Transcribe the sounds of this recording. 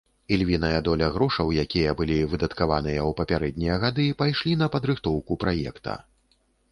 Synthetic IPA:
ilʲvʲinɐjɐd̪ɔlʲɐɣɾɔʂɐwjakʲijɐbɨlʲivɨd̪ɐt̪kavanɨjɐwpɐpʲaɾɛd̪ʲnʲijɐɣad̪ɨpajʂlʲin̪ɐpɐd̪ɾɨxt̪ɔwkupɾajɛ̰kt̪ɐ̰

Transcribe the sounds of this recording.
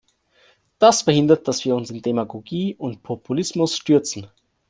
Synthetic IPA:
d̥asfɛɐhɪndɐt̚d̥asv̥iːɐʊnsɪndemaɡoɡiːʔʊntpʰopʰulɪsmʊsʃtʏɐt͡sn̩

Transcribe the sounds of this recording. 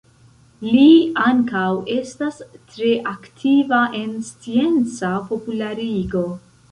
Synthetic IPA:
liaŋkawe̞stastɾe̞ʔaktʰivaʔe̞nst͡sie̞nt͡sapo̞pulaɾiɡo̞

